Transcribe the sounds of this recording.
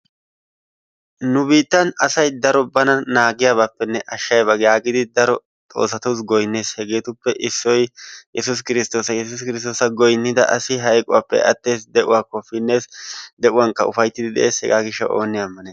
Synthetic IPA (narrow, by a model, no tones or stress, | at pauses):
nʊbiːt̪ːɐnɐsɐjd̪ɐɾɔbɐnɐnaːɡɪjabapːɛnːɛʔɐʃːɐjbɐɡjaːɡɪd̪ɪd̪ɐɾɔ | t̪ʼo̞̰ːsːɐt̪uːs̬ɡɔjnːe̞ːshɛɡe̞ːt̪ʊpːɛʔɪsːɔjjɛsʊs̬kɪɾɪst̪o̞ːsɐjɛs̬ʊs̬kɪɾɪst̪o̞ːsɐɡɔjnːɪd̪ɐ̰ʔɐsɪɦɐjkʼʊwaːpːɛ̰ʔɐ̰t̪ːe̞ːsd̪ɛʔʊwaːkɔfɪnːe̞ːsd̪ɛʔʊwaŋkɐʊfɐjt̪ːɪd̪ɪd̪ɛ̰ʔe̞ːshɛ̰ɡaːɡɪʃːɐʔo̞ːnːɪjaɐmːɐneːs